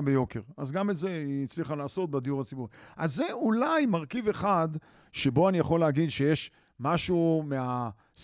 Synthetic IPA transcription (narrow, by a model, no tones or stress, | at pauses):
bejo̞keʁazɡametzeit͡sliχalaːso̞t̪̚bed̪ijuʁat͡sibuʁiʔazːeulajmaʁkive̞χad̪ | ʃebo̞anijaχo̞lːeaɡid̪ʃejeʃ | maʃume̞a | s